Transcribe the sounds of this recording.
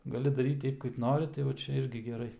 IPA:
ɡɐˈlʲɪ dɐˈrʲiːt ˈtʲɛɪp kɐɪp ˈnoːrʲɪ tɐɪ ʋɐ ˈt͡ʃʲɛ ˈɪrʲɡʲɪ ɡʲɛˈrɐɪ

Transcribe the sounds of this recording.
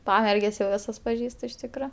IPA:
ˈpɑːmʲɛrʲɡʲɛs jɛʊ ˈʋʲɪsɐs pɐˈʒʲiːstʊ ɪʃ ˈtʲɪkroː

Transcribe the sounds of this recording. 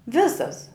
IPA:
ˈʋʲɪsɐs

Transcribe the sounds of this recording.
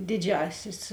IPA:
ˈdʲɪˌd͡ʒʲæːsʲɪs

